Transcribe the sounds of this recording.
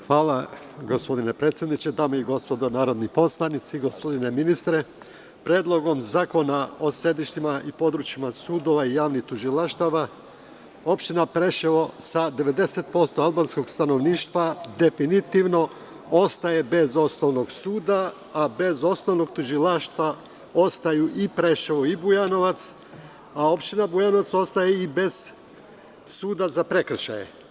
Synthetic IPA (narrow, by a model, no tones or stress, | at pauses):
xʋaːla | ɡo̞spo̞d̪ine̞pɾet̪sʲje̞d̪nit͡ɕe̞d̪aːmoiɡo̞spo̞d̪o̞naːɾo̞d̪nipo̞slˠanit̪siɡo̞spo̞d̪ine̞minist̪ɾe̞ | pɾeːd̪lˠo̞ɡo̞mzaːko̞nao̞sje̞d̪iʃt̪imaʔipo̞d̪ɾut͡ʃimasuːd̪o̞ʋaijaːʋniht̪uʒilˠaʃt̪aʋa | o̞pʃt̪inapɾe̞ʃeʋo̞sad̪e̞ʋe̞d̪e̞se̞t̪̚po̞st̪o̞alˠbansko̞ɡst̪ano̞ʋniːʃt̪ʋad̪e̞finit̪iʋno̞ | o̞st̪aje̞be̞zo̞sno̞ʋno̞ɡsuːd̪aː | be̞zo̞sno̞ʋno̞ɡt̪uʒilaʃt̪ʋa | o̞st̪ajuʔipɾe̞ʃeʋoibujano̞ʋat̪s | ao̞pʃt̪inabujano̞ʋat̪so̞st̪ajeibe̞z̥ | suːd̪azapɾe̞kr̩ʃa̰jḛ